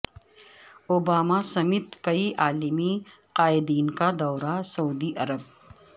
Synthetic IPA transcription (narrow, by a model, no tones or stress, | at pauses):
obaːmasɐmɪt̪kɐiʔaːlɪmi | qaːɪd̪iːnkad̪ɔːɾasɐuːd̪iʔɐɾəb̚